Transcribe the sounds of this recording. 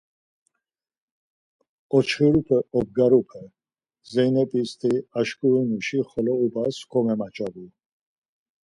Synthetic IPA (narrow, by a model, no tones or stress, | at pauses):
ɔt͡ʃʰχiɾupʰɛɔb̚ɡaɾupʰɛ | zɛjnɛpʼist̪ʰiaʃkʼuinuʃiχɔlɔubaskʰɔmɛmat͡ʃʼavi